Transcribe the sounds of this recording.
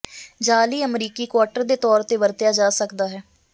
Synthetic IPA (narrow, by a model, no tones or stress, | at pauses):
d͡ʒaːliːəmɾiːkiːkwaːʈəɾd̪eːt̪ɔːɾt̪eːʋəɾt̪jaːd͡ʒaːsəkd̪aːɦɛː